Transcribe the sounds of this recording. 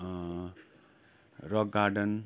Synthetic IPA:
rʌɡɡaɖʌn

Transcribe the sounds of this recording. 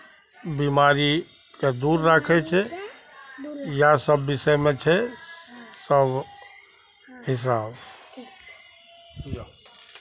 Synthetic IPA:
biːmaːɾi | kad̪uːɾːəkʰet͡ʃʰɛ | jasəbːɪsɛmẽt͡ʃʰɛ | səb | ɦɪs̬aːb | ja

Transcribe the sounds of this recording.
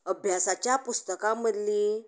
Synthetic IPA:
əbʱjasat͡ɕjapust̪əkaməd̪li

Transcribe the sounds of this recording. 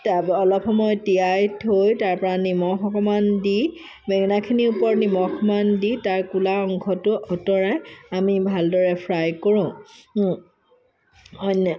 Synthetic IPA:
taɔlɔpʰɔmɔjtiajtʰojtaɹpɔɹanimɔxɔkɔmandi | mɛɡnakʰiniupɔɹnimɔxʰɔmanditaɹkulaɔŋkʰɔtʊʔɔtɔɹɛamibʱaldɔɹɛpʰɹajkoɹʊ̃ | ɔjnɔ

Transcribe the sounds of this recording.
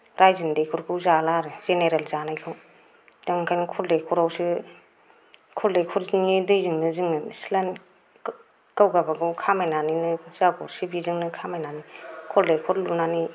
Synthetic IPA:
ɾajzindejkʰuɾkʰɯwzalaɾɯz̥eneɾelzanajlʰɔ | daŋkʰajnɯkʰɔldekʰɔɾawsɯ | kʰɔldejkʰɔɾzŋnidɯjzɯŋnɯzɯŋnɯsilan | kawɡabaɡɯwkʰamajnaninɯz̥aɡɔɾsibizɯŋnɯkʰamajnanikʰɔldekʰɔɾlunani

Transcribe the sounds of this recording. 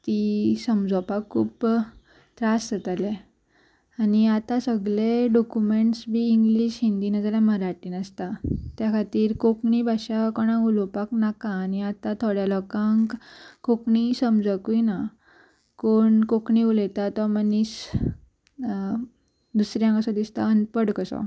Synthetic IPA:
t̪isəmd͡zɔpakʰːṵːp | t̪ɾasət̪ale | aniat̪ãsəɡleɖɔkumeɳʈsbiːŋɡliɕɦind̪inad͡zalaməɾaʈiːnəst̪at̪jakʰat̪iːɾkokɳibʱaɕakɔɽ̃ãɡulɔpaknakãːniat̪at̪ʰoɽjalɔkãŋkkokɳisəmd͡zəkujna | koɳkokɳiulet̪at̪ɔmənis | d̪usɾjãŋkəsɔ̃d̪ist̪a̰ənpəɽkəsɔ̰

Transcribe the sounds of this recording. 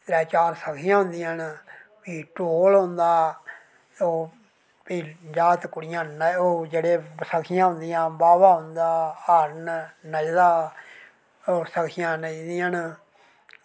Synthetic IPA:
ɾɛːt͡ʃaːɾsəkʰɪjãːɦʊ̃nd̪ĩənpiːʈoːlɦõnd̪aː | oː | piːd͡ʒaːt̪kʊɽɪjãːnəoːd͡ʒeːɽeːsəkʰɪjãːɦʊ̃nd̪ijãːbaːbaːɦʊ̃nd̪aːəɾnnəd͡ʒdaː | oːsəkʰɪjãːnəid̪iːən

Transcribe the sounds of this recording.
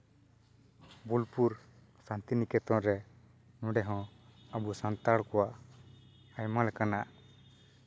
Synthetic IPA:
bulpuɾ | sant̪inikɛt̪ɔ̃ʔɾɛ | nũɖɛɦɔ̃abusant̪aɽkɔwaʔ | ajmalɛkanaʔ

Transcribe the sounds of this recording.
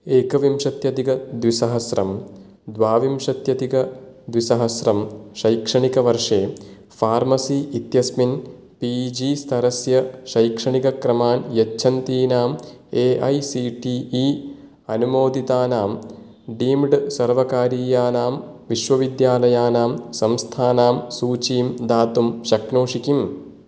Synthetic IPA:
eːkɐʋimʂɐt̪jɐt̪iɡɐd̪ʋisɐɦɐsɾɐ̰m | d̪ʋaːʋimʂɐt̪jɐt̪iɡɐd̪ʋisɐɦɐsɾɐmʃɐjkʂɐɳikɐʋɐɾʂeː | fʰaːɾmɐsiːit̪jɐsmin | piːd͡ʒiːst̪ʰɐɾɐsjɐʃɐjkʂɐɳikɐkɾɐmaːnjɐtːt͡ʃʰɐnt̪iːnaːmeːʔɐjsiːʈiːiː | ɐnumoːd̪it̪aːnaːm | ɖiːmɖsɐɾʋɐkaːɾiːjaːnaːmʋiʃʋɐʋid̪jaːlɐjaːnaːmsɐmst̪ʰaːnaːmsuːt͡ʃiːmd̪aːt̪umʃɐknoːʂikim

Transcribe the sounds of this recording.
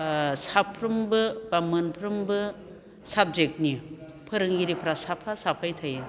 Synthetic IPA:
sapʰːɾɯmbɯbamɯnpʰɾɯmbɯ | sab̚zek̚ni | pʰɯɾɯŋɡiɾipʰɾasapʰasapʰajtʰaj

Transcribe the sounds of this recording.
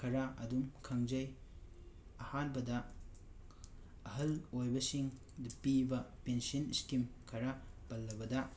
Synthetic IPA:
kʰɐɾaʔɐdumkʰɐŋd͡ʒɐj | ɐhanbɐdɐ | ɐɦɐlojbɐsiŋ | dpibɐpensɐniskimkʰɐɾapɐlːɐbɐdɐ

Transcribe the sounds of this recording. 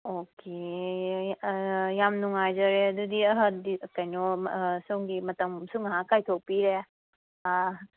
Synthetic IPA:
okʰe | jamnuŋajzɐɾeɐdudiɐɦədikajnɔsoŋɡimɐtɐmsuŋaɦakajtʰok̚piɾe

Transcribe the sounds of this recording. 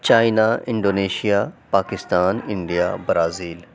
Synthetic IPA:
t͡ɕaːjnaɪ̃ɳɖoːneːʃijapaːkɪst̪aːnɪ̃ɳɖija̰bɾaːziːl

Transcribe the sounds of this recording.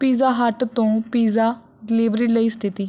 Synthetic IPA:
piːzaːɦəʈt̪õːpiːzaː | ɖɪliːbɾiːləiːst̪ʰɪt̪iː

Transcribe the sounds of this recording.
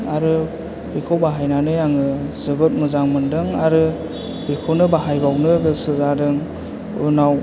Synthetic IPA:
aɾɯ | bikʰɯwbaɦajnanɯjaŋɯzɯbɯt̚mɯzaŋmɯndɯŋaɾɯ | bikʰownɯbaɦajbawnɯɡɯsɯzadɯŋ | unaw

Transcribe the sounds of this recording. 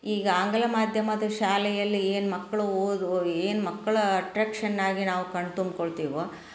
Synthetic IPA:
iːɡɐaːŋɡɐlɐmaːd̪ʱjɐmɐd̪ɐʃaːlɛjɐlːieːnmɐkːɐɭuoːd̪ueːnmɐkːɐɭɐɐʈɾaːkʂɐnːaːɡinaːʋukɐɳɖt̪umb̪̚koɭt̪iːʋo

